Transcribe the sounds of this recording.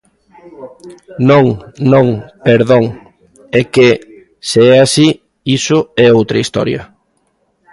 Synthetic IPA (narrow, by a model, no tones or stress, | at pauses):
nõŋnõŋpeɾðoŋ | ɛke | seɛasi | isʊɛowt̪ɾɐist̪ɔ̰ɾjɐ̰